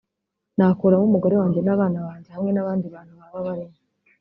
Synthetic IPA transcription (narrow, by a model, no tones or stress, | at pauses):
naːkuɾamumuɡo̞ɾe̞waːɲɟe̞naβaːnaβaːɲɟehamŋe̞naβaːndiβaːnhuβaβaβaɾema